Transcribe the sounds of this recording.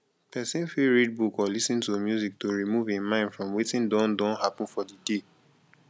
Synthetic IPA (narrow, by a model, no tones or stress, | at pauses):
pɛsĩnfiɹid̚bukɔlisĩntomjuzik̚toɹimuvĩnmãɪ̃ndfɹɔ̃mwitĩndɔ̃ndɔ̃nhapɔ̃n̩fɔdide